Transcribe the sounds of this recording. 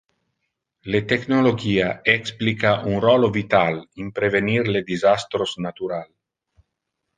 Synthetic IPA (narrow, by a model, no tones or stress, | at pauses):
let̪eknoloɡiːaɛksplikaʔunrɔlovit̪alimpɾevenirled̪izast̪ɾosnat̪uɾal